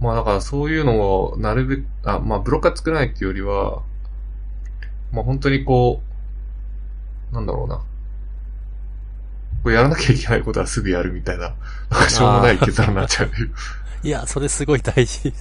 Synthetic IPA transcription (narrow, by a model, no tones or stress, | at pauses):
maːd̪akaɾaso̞ːjɯ̟ːno̞monaɾɯ̟be̞kɯ̥a̰maːbɯ̟ɾo̞kɯat͡sɨ̥kɯ̟ɾanait̪ʲːejoɾʲiβa̰ | maɦõ̞nt̪o̞ɲ̟iko̞ː | nãnd̪a̰ɾo̞̰ːna̰ | ko̞ːjaɾanakʲʰaikʲe̞naiko̞t̪o̞asɨɡɯ̟jaɾɯ̟mʲit̪aina | nãŋkaɕo̞ːmonaieaɾanat͡ɕːaɯɯ | iaso̞ɾesɨɡo̞id̪aiʑi